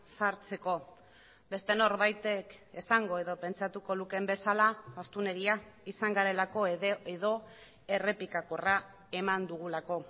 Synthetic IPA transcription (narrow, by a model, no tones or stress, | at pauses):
saɾt͡se̞ko̞ | be̞st̪e̞no̞ɾβajt̪e̞kesaŋɡo̞e̞ðo̞pe̞nt͡st͡ʃat̪uko̞luke̞mbe̞salaast̪une̞ɣiaisaŋɡaɾe̞lako̞eðeðo̞ | e̞re̞pikakora | e̞mand̪uɣ̞ulako̞